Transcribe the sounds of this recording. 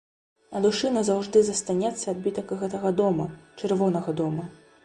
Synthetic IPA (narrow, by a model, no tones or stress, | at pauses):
ɐd̪uʂɨnɐzawʐd̪ɨzɐst̪anʲɛt̪sːɐad̪̚bʲit̪ɐkɣɛt̪ɐɣɐd̪ɔmɐt͡ʂɛrvɔnɐɣɐd̪ɔmɐ